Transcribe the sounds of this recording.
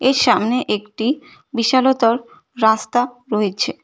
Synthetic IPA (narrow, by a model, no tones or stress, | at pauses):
eɾʃamneʔekʈi | biʃalot̪oɾː | ast̪a | ɾoet͡ɕʰe